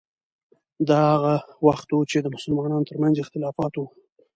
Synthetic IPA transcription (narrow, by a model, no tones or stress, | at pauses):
d̪ɑhaɣawaxt̪wut͡ʃed̪əmʊsʊlmɑnɑnot̪əɾmanzɪxt̪ɪlɑfɑt̪wu